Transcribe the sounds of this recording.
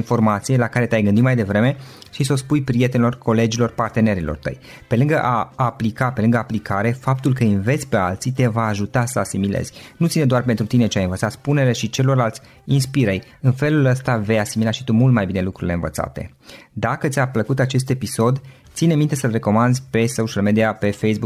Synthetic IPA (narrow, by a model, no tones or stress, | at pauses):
info̞rmat̪sije̞lakaɾet̪ʲajɡɨnd̪imajd̪e̞vɾe̞me̞ʃiso̞spujpɾije̞t̪enilo̞rkʰo̞le̞d͡ʒilo̞rpart̪e̞ne̞ɾilo̰rt̪ə̰j | pe̞lɨŋɡəʔaːplikape̞lɨŋɡəaplikaɾe̞fapt̪ulkəinve̞t̪sʲpe̞alt̪sit̪e̞vaːʒut̪asəasimile̞̰z̥ʲnut̪sined̪oarpent̪ɾut̪ine̞t͡ʃeajɨnvət̪sat̪sʲpune̞le̞ʃit͡ʃe̞lo̞rlalt̪sʲ | inspiɾej | ɨnfe̞luləst̪ave̞jasimilaʃit̪umult̪majbine̞lukɾuɾile̞nvə̰t̪sa̰t̪e̞̰ | d̪akət̪sʲapləkut̪at͡ʃe̞s̬t̪e̞piso̞d̪t̪sinemint̪e̞səlre̞ko̞mand̪zʲpe̞soʃialmed̪iape̞fejsbuk